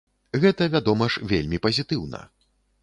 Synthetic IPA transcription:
ɣɛt̪ɐvʲad̪ɔmɐʂvʲelʲmʲipɐzʲit̪ɨwnɐ̰

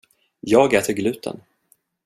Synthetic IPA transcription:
jɑːɡɛːt̪ʰəɾɡlʉ̟ːt̪ʰə̰n

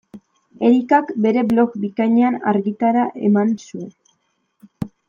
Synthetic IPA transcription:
e̞ɾikakbe̞ɾe̞blo̞kbikajɲeana̰ɾɣit̪aɾaʔe̞̰mansue̞

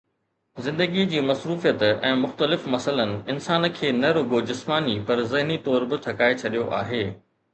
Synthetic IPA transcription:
zɪ̃nd̪əɡid͡ʑiːmɐsɾuːfijət̪ɛ̰̃ːmʊxt̪əlɪfmɐsələnɪ̆ɪnsaːn̆kʰeːnɐɾʊɡod͡ʑɪsmaːnipɐɾzɪɦnit̪ɔːɾbɪʈ̪ʰɐkaːet͡ɕʰɐɗijoʔa̰ːɦeː

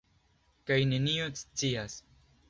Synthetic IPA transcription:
kajne̞niot͡st͡sias

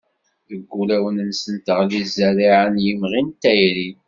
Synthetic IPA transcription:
ðəɡʷːulæwənənsənt̪əʁlizæɾiʕənjimʁint̪æjɾi

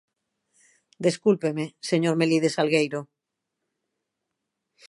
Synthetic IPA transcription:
d̪eskulpemeseɲoɾmeliðesalɣejɾo

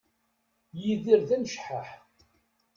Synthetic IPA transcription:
jiðiɾðænʃħaħ

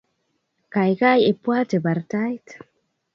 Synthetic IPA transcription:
kajɣajepwat̪ebaɾtajtḁ

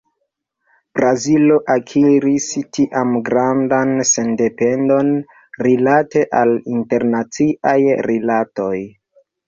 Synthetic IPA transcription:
b̥ɾazilo̞ʔakʰiɾistiʔamɡɾandanse̞nde̞pe̞ndo̞n | ɾilate̞ʔalinte̞ɾnat͡siʔajɾilato̞j

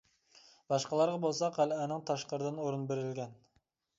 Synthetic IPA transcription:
bɑʃqɑlˠɑɾʁɑbolˠsɑqʰælænɪŋt̪ʰɑʃqəɾɨd̪ɨnoɾɨnbeɾɪlɡʲɛn

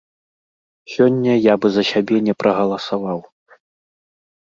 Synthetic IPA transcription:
sʲɔnʲːɐjabɨzɐsʲabʲɛnʲɛpɾʔɐɣɐlˠɐsavaw

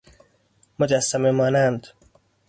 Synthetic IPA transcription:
mod͡ʒæsːæmemɒːnænd̪

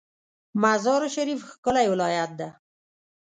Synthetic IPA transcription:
mazɑɾoʃaɾifxkəlajwɪlɑjat̪̚d̪a

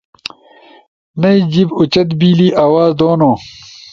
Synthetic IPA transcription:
nɐid͡ʑibut͡ɕɐt̪biːliːʔaːwaːzd̪oːnoː

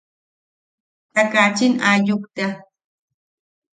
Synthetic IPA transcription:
t̪akat͡ʃinaʎʊkt̪a

